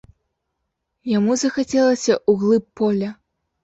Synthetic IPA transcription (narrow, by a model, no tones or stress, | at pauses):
jamuzɐxat͡sʲɛlˠɐsʲɐʔuɣlˠɨpːɔlʲɐ